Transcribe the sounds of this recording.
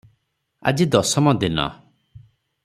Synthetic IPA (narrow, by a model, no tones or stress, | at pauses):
a̰d͡ʒid̪ɔsɔmɔd̪inɔ̰